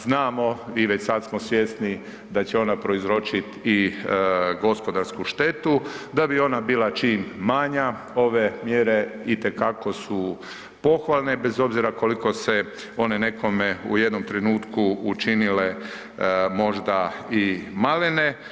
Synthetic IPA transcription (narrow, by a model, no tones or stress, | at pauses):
znaːmo̞iʋe̞t͡ɕsad̪smosʋje̞sni | d̪at͡ɕeo̞napɾo̞izɾo̞t͡ʃit̪i | ɡo̞spo̞d̪aɾskuʃt̪e̞t̪ud̪abio̞nabiːlˠat͡ʃiːmːaɲa | o̞ʋe̞mjeɾe̞it̪e̞kako̞su | po̞xʋalˠne̞bezo̞bziɾako̞liko̞se̞ | o̞ne̞ne̞ko̞meṵje̞d̪no̞mt̪ɾenuːt̪kuːt͡ʃinile̞ | mo̞ʒd̪aimalene